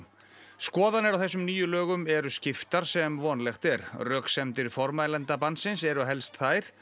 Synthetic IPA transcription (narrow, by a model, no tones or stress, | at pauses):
skɔːðanɪɾawθɛsːʏmniːjʏlœːɣʏmɛɾʏscɪft̪aɾ̥sɛmvɔːnlɛxt̪ɛɾrœːksɛmt̪ɪɾfɔɾmajlɛnt̪apansɪnsɛɾʏɦɛlst̪θaːjɾ̥